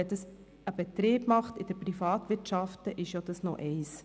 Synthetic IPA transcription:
ɛtəs | əbɛt̪ɾeːb̥mɑχtɪd̥əɾpɾifɑːtʋɪɾtʃɑftəʔɪʃjod̥ɑsnɔ̰ʔɛɪs

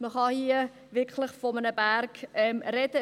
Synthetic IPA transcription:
məχɑhiə | vɪkʰləχfɔmənəbærkɛmrɛdə

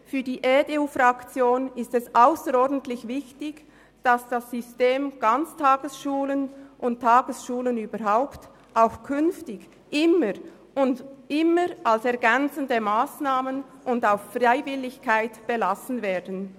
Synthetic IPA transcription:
fyːɐdiːʔedeuːfɾɑkt͡sjoːnɪstɛsʔaʊsəɾɔdn̩tlɪçvɪçtɪɡ | d̥asd̥asʏsteːmɡ̥ant͡stʰaːɡ̥əsʃuːlənʔʊnttʰːaːɡ̥əsʃuːlənyːbəɾɦaʊpt | aʊfkʰʏnftɪɡ | ʔɪməɾ | ʊndɪməɾalsɛɾɡɛnt͡səndəmaːsnaːmənʔʊndaʊffraɪvɪlːɪçkʰaɪtb̥ɛlasn̩vɛːdn̩

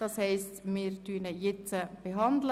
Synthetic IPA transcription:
d̥ɑshɛɪstmɪːɾtyːnəjɪt͡səb̥eɦɑnd̪lə

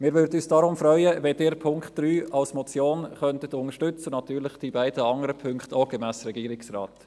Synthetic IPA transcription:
mɪːɾʋʏɾdəyːsd̥ɑɾʊmfɾœʏəʋɛdɪːɾpʰʊŋkχt̚d̥ɾyːɑlsmɔt͡sjoːnχœntətʊŋəʃtʏt͡sənɑtyːɾlɪχd̥iːbæɪdəɑŋəɾəpʰʏŋkχtoːɡ̥emæːsɾɛɡiːɾɪksrɑ̰ːt

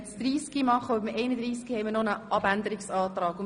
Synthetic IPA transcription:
sd̪ɾiːskimɑχːəʊbmʔɛɪnəd̪ɾiːskihɛɪmənɔnəʔɑbænd̪əɾɪksɑːt̪ɾɑːɡ̥ʊ

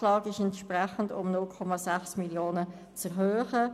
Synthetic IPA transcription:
lɑːɡɪʃɛntʃprɛχən̩dʊ̰mnʊlkʰɔmɑsɛχsmiljoːnə | t͡sɛʁɦøːχə

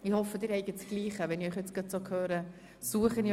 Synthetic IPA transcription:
ihɔfəd̥ɪːɾɛɪɡətɡ̥liːχəʋɛniœχjɛt͡sɡ̥ɑtsokʰhøːɾə | suəχəni

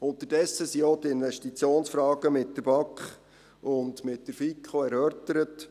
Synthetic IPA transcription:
ʊnt̪ərdɛsːəsiotɪnvɛʃtit͡sjoːnsfɾɑːɡ̥əmɪtdəɾb̥ɑkχ | ʊnd̪mɪtdəɾfikʰχoɛɾœɾtəɾət

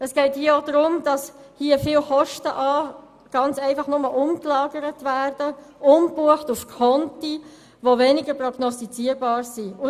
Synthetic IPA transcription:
əsɡ̥ɛɪthiəod̪ɾʊmd̥ɑshiːəfiːlχɔʃtəʔɑː | ɡ̥ɑnt͡sɛɪfɑχnʊməlʊmklɑːɡəɾətʋæːrd̥əʊmbuəχtufkʰɔnti | ʋoʋenɪɡəɾprɔɡ̥nɔstit͡siːəɾbɑːɾsiʊ

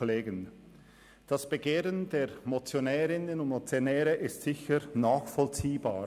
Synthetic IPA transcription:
leːɡən | d̥asb̥əɡeːʁəndeːʁmot͡sjonɛːɾɪnənʊntmot͡sjonɛːɾəʔɪstz̥ɪçəɾnaːxfɔlt͡siːba̰ː

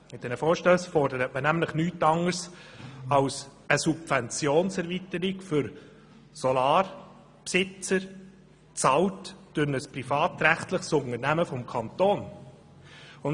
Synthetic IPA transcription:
mɪt̚d̥ɛnəfɔːʃtøːsfɔrdəɾətmənæmləχnyːtɑŋəɾs | ɑlsəsupvɛnt͡sjoːnsɛɾvitəɾɪkfʏɾ | sɔlɑːɾ | psɪt͡səɾ | t͡sɑltd̥ʊnəsprifɑːtɾæχtlɪχsʊŋəɾnæməfɔmkʰɑnt̪oːn | ʊn

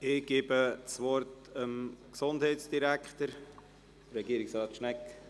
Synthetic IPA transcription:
ɪɡ̥eːbət͡sʋɔɾtəmksondhɛɪtsd̥iɾækχt̪əɾ | dəɾɛɡiːɾɪksɑːt̪ʃnɛk

